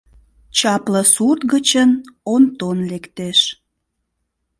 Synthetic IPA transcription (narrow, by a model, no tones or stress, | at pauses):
t͡ɕɑpləsut̪ɣət͡ɕənont̪onlekt̪eʃ